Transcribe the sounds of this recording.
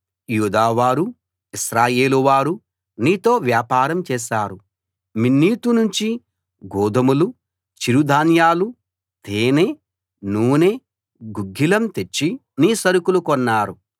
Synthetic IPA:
juːd̪aːʋaːɾu | isɾaːjeːluʋaːɾu | niːt̪o̞ːʋjaːpaːɾɐmt͡ʃɛːʃaːɾu | minːiːt̪unuɲt͡ʃi | ɡɔːd̪ɐmulu | t͡ʃiɾud̪ʱaːnjaːlu | t̪eːneː | nuːneː | ɡuɡʱːilɐmt̪et͡ʃːi | niːsɐɾukulukɔnːaːɾu

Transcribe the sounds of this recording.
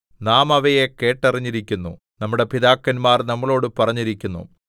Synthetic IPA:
naːmɐʋɐjeke̞ːʈːɐriɲːiɾikʲːunːṵ | nɐmːuɽe̞piðaːkːɐnmaːrnɐmːɐɭo̞ːɽɨpɐrɐɲːiɾikʲːunːṵ

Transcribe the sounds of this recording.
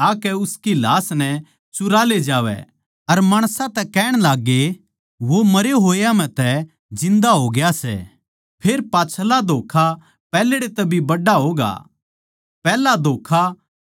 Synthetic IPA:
aːkɛʊskilaːsnɛ | t͡ʃʊɾaːled͡ʒaːʋɛ̰ | ɐɾmaːɽ̃sãt̪ɛkɛːɽ̃laːɡːe | ʋomɐɾeɦoːjamɛ̃t̪ɛ | d͡ʒɪ̃nd̪aɦoːɡɪjasɛ̰ | pʰeːɾpaːt͡ʃʰlad̪ʱoːkʰa | pɛːleɽet̪ɛbʱibɐɖaɦoːɡa̰ː | pɛːlad̪ʱoːkʰa

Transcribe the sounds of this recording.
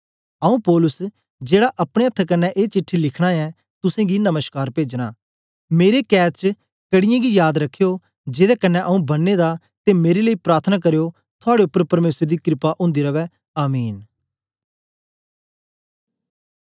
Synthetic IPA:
əũːpɔːlʊs | d͡ʒeːɽaʔɐpɽ̃eːət̪ʰːkənːɛʔeːt͡ʃɪʈʰːilɪkʰɽ̃aɛ̃ː | t̪ʊsẽːɡinəməskaːɾpeːd͡ʒnaː | meːɾekɛːst͡ʃ | kəɽɪjãɡijaːd̪ɾəkʰːejoː | d͡ʒɪd̪ɛkənːɛ̃ʔəũːbənːed̪aː | t̪emeːɾeləiːpɾaːɾt̪ʰnaːk̬əɾejo | t̪ʰʊaːɽeʊpːəɾpɐɾmeːsɾed̪iːkɾɪpaʔʊ̃ːnd̪iɾəʋɛː | aːmiːn

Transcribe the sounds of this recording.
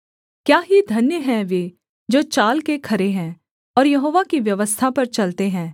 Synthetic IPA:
kjaːɦid̪ʱɐnjəɦɛ̃ʋeː | d͡ʒoːt͡ʃaːlkekʰɐɾeɦɛ̃ː | ɔːɾjɐɦoːʋakiʋjɐʋəst̪ʰapɐɾt͡ʃɐlt̪eɦɛ̃ː

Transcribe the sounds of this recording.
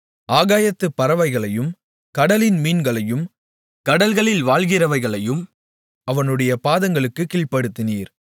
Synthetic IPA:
ʔaːɣaːjɐt̪ːɯpːɐɾɐʋɐɪɣɐɭɐjɯm | kɐɽɐlɪnmiːnɡɐɭɐjɯm | kɐɽɐlɣɐɭɪlʋaːɭɣɪrɐʋɐɪɣɐɭɐjɯm | ɐʋɐnɯɽɐjɐpaːðɐŋɡɐɭɯkːɯkiːɭpɐɽɯt̪ːɪniːɾ

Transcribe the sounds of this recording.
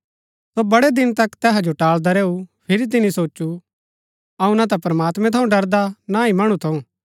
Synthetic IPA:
sobɐɽed̪ɪnt̪ɐkt̪ɛːɦad͡ʒoʈaːɭd̪aɾeːupʰɪɾit̪̬ɪnĩsoːu | ɐũnat̪̬ɛpɾmaːt̪mɛ̃t̪ʰɐũɖɐɾd̪anaimɐɽ̃ut̪ʰɐũː

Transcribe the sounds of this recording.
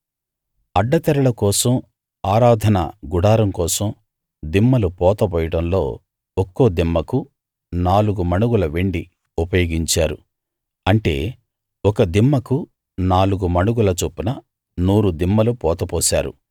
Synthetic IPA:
ɐɖːɐt̪ɛɾɐɭɐkɔːsɐm | aːɾaːd̪ʱɐnɐ̰ɡuɽaːɾɐmkɔːsɐm | d̪imːɐlupɔːt̪ɐpɔːjɐʈɐmlo̞̰ː | ɔkːoːd̪imːɐku | naːluɡumɐɳuɡulɐʋeɳɖi | upɐjoːɡiɲt͡ʃaːɾu | ɐɳʈe̞̰ː | ɔkɐd̪imːɐku | naːluɡumɐɳuɡulɐt͡ʃuːpinɐ | nuːɾud̪imːɐlupɔːt̪ɐpɔːsa̰ːɾṵ

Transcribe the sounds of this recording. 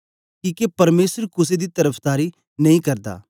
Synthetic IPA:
kiːkepɐɾmeːsəɾkʊs̬ed̪it̪ɐɾəpʰd̪aːɾi | nɐĩkɐɾd̪a̰ː

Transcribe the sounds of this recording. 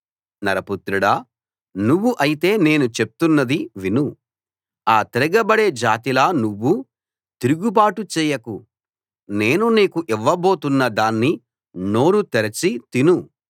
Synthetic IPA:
nɐɾɐput̪ɾuɽɐ | nuʋːuʔɐjit̪e̞ːne̞ːnut͡ʃe̞p̚t̪unːɐd̪iʋinu | aːt̪iɾɐɡɐbɐɽe̞ːd͡ʒaːt̪ilaːnuʋːu | t̪iɾuɡubaːʈut͡ʃɛːjɐku | ne̞ːnuniːkuʔiʋːɐbo̞ːt̪unːɐd̪aːnːi | no̞ːɾut̪eɾɐt͡ʃit̪inu

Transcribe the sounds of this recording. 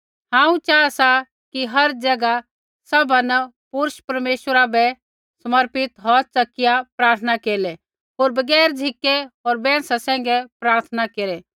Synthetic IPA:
ɦãːũt͡ʃaːasa | kiɦɐɾd͡ʒɐɡa | sɐbʱanə | pʊɾʃpɐɾmeːʃəɾabɛ | sɐməɾpɪt̪ɦɔt͡sɐkːɪjapɾaːɾt̪ʰənakeːlɛ | ɦoːɾbɐɡɛːɾd͡ʒʱɪkːɛɔːɾbɛ̃ːsasɛ̃ːŋ̆ɡɛpɾaːɾt̪ʰənakeːɾɛ

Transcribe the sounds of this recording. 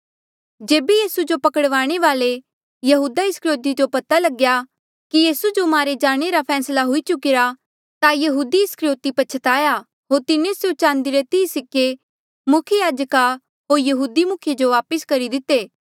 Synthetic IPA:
d͡ʒeːbejiːsud͡ʒopɐkəɽʋaːɽ̃eʋaːle | jɐɦuːd̪aɪskɾjoːt̪id͡ʒopɐt̪alɐɡja | kijiːsud͡ʒomaːɾed͡ʒaːɽ̃eɾapʰɛːslaɦʊit͡ʃʊkɪɾa | t̪ajɐɦuːd̪iɪskɾjoːt̪ipɐt͡ʃʰət̪aːja | ɦoːɾt̪ɪnesjot͡ʃãːnd̪iɾet̪iːsɪkːe | mʊkʰejaːd͡ʒka | ɦoːɾjɐɦuːd̪imʊkʰjed͡ʒoʋaːpəskɐɾid̪ɪt̪ːeː

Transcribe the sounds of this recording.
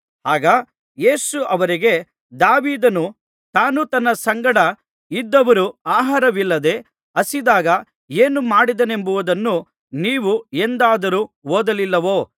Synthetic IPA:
haːɡɐ | je̞ːsuʔɐʋɐɾiɡe̞ | d̪aːʋiːd̪ɐnu | t̪aːnut̪ɐnːɐsɐŋɡɐɽɐ | id̪ːɐʋɐɾuaːɦaːɾɐʋilːɐd̪e̞ | ɐsid̪aːɡɐ | eːnumaːɽid̪ɐne̞mbuʋud̪ɐnːu | niːʋuend̪aːd̪ɐɾuoːd̪ɐlilːɐʋo̞ː

